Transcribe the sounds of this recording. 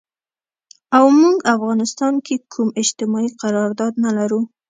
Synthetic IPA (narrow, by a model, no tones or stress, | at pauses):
awmuɡafɣɑnɪst̪ɑnkʰekʰumɪd͡ʒt̪ɪmɑiqaɾɑɾd̪ɑd̪nalaɾu